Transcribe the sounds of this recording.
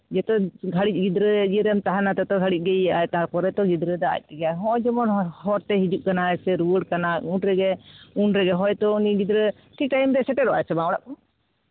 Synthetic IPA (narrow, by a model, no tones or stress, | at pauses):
d͡ʒɛt̪ɔɡʱaɽic̚ˀɡid̪ɾəd͡ʒiɾɛmt̪aɦanat̪ɛt̪ɔɡʱaɽic̚ˀɡɛaɛt̪aɾkɔɾɛt̪ɔɡid̪ɾəd̪aa̰j̚t̪ɛɡaɦɔ̃d͡ʒɔmɔnhɔɾt̪ɛɦid͡ʒuʔkanaɛsɛɾuwəɖkanaunʈɾɛɡɛunɾɛɡɛɦɔjt̪ɔuniɡid̪ɾə | ʈʰik̚ʈajmd̪ɛsɛʈɛɾɔʔa̰ɛsɛmaɔɽaʔɔ